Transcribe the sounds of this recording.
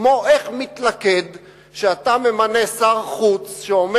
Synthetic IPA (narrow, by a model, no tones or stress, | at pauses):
mo̞ʔe̞χmit̪lake̞d̪ | ʃeat̪ame̞mane̞saʁχut͡sʃeome